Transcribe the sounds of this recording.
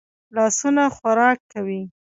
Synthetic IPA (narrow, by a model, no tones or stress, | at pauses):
lɑsunaxaɾɑkːawi